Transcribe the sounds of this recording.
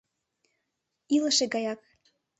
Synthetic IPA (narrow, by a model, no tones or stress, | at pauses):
iləʃeɡɑjɑk̚